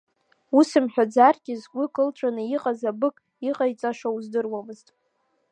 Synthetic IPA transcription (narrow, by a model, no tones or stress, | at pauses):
usɨmħᶣad͡zarɡʲɪzɡʷʊkʼɨlt͡ʃʷʰʼanɨiqʼazabɨkʼ | iqʼajt͡sʼaʃauzdɨrwamɨztʼ